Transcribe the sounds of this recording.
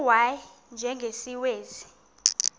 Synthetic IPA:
waj | nd͡ʒʱɛŋɡʱesiweːzi

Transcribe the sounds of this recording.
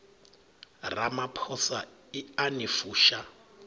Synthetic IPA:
ramapʰɔsaianifuːʃa

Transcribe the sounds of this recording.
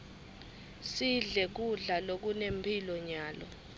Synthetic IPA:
siɮɛk̬uɮalok̬unempʰilɔɲaːlɔ̰

